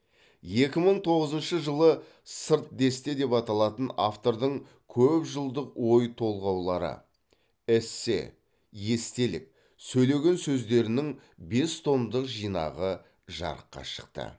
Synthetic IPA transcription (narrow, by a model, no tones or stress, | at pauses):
je̞kʲɪməɴt̪ʰo̞ʁəzənʃəʒəlˠə | səɾt̪̚d̪e̞st̪e̞d̪e̞pɑt̪ɑlˠɑt̪ənaft̪o̞ɾd̪əɴ | kʲʰɵpʒəlˠd̪əqwo̞jt̪ʰo̞lˠʁɑwlˠɑɾə̰ | ɪse̞̰ | je̞st̪e̞lɪ̰k̚ | sɵjle̞ɡʲe̞nsɵzd̪e̞ɾɪnɪŋ | be̞st̪ʰo̞nd̪əqʒijnɑ̰ʁə | ʒɑ̰ɾə̰qːɑ̰ʃə̥qt̪ə̰